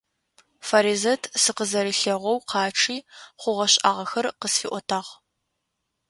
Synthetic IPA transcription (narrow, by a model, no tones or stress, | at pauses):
faɾiːzɐtʰsɨqəzɐɾɨɬɐʁʷɔwqʰɑːʈ͡ʂʰiːχʷʊʁɐɕʼa̰ːʁɐxɐrqəsfiːʔʷɔtʰaːʁ